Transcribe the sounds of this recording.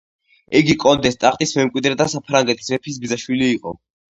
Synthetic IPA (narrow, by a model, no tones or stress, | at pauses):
ɛɡikʼɔnd̪ɛst̪ʼaχʼt̪ʼismɛmkʼwid̪ɾɛd̪asapʰɾaŋɡɛt̪ʰismɛpʰis̬bizaʃwiliːqʼɔ̰